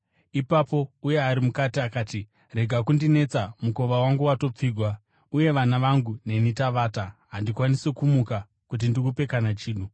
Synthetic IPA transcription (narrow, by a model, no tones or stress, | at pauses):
ipapo̞uje̞aɾimukatiakaːti | re̞ɡʱakundine̞t͡samuko̞ʋawaŋɡuwato̞p͡fiːɡʱwa | uje̞ʋanaʋaŋɡune̞nitaʋaːtaɦandikwanise̞kumuka | kut̬indikupe̞kanat͡ʃiːɗu